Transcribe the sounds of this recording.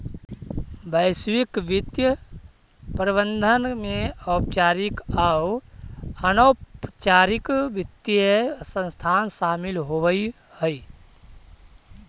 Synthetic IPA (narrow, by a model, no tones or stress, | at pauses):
bəɪswikʋɪt̪jə | pɾibə̃nd̪ʱənmẽɔːp̚t͡ʃaːɾikaw | ənoːpt͡ʃaːɾɪkʋɪt̪jəsə̃st̪ʰaːnsaːmɪlɦoʋi | həi